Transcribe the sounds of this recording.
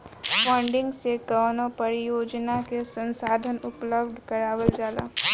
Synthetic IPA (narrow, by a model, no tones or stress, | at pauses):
fə̃ɳɖɪ̃ŋɡseɡaːnõpɐɾijoːd͡ʒnakesə̃nsaːd̪ʱənʊpləbd̪ʱkɐɾaːwəld͡ʒaːla̰ː